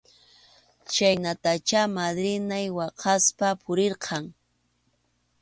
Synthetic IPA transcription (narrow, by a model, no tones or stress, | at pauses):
t͡ʃajnat̪at͡ʃamad̪ɾɪnajwɑqʰɑspapʰʊɾeɾqʰɑŋ